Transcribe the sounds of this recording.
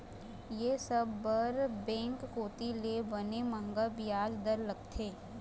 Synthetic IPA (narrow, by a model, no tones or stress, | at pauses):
jeːsɐbːəɾbɛ̃ːŋkːoːt̪ilebɐnemə̃ŋɡəbijaːld̪əɾləɡ̚t̪ʰeː